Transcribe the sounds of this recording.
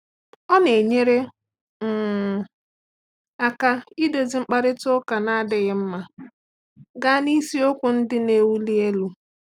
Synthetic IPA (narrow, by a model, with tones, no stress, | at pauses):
ɔ˦ne˨ɲe˦ɾe˦ | ŋ̩˨ | a˨ka˦i˦do˨zi˨ŋ͡m̩˦k͡pa˦ɾɪ˦tʊ˦ka˨na˦a˦dɪ˨ɣɪ˦m̩˦ma˨ | ɡa˦ni˦si˦o˦kʷʊ˨n̩˦dɪ˦ne˨wu˦li˦e˦lu˨